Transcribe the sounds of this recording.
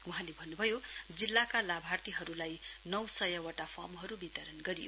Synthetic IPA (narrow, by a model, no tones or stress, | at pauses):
uɦãlebʱʌnːubʱʌjod͡zilːakalabʱart̪iɦʌɾulajnʌwsʌjʌwaʈapʰamɦʌɾubit̪ʌɾʌnɡʌɾijo